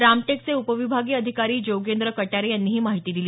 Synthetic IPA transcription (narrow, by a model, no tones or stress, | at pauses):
ɾamʈek̚t͡seupəʋibʱaɡiːəd̪ʱikaɾiːd͡ʑowɡend̪ɾəkəʈjaɾejanːiːɦiːmaɦit̪iːd̪iliː